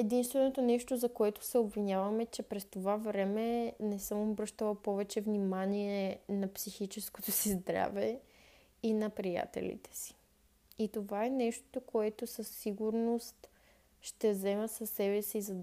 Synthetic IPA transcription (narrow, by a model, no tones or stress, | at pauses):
ɛd̪inst̪vɛnot̪onɛʃt̪ozɐkoɛt̪ʊ̥sɛobvinʲjavɐmɛt͡ʃɛpɾɛst̪ovavɾɛmɛnɛsɤmobɾɤʃt̪əlˠɐpɔvɛt͡ʃɛvnimaniɛnɐpsixit͡ʃɛskot̪osizd̪ɾa̰vɛ | inɐpɾija̰t̪ɛ̰lḭt̪ɛ̥si̥ | it̪ovaɛnɛʃt̪o̥t̪okoɛt̪osɐsːiɡuɾnost̪ | ʃt̪ɛzɛməsɐsːɛbɛsiːzɐd̪